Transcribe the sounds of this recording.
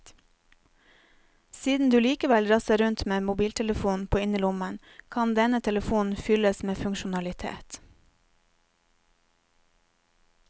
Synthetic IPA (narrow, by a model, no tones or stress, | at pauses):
siːd̪n̩d̪ʉːliːkəʋɛlɾɑsəɾʉnt̪meːmʊbiːlt̪ʰɛləfuːn̩pʰoːɪnəlʊmən | kʰɑnd̪ɛnət̪ʰɛləfuːn̩fʏləsmeːfʉŋkʃʊnɑlɪt̪ʰḛːt̪